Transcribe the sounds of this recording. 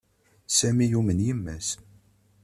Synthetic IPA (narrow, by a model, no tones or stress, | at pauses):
sæmijumənjimːæs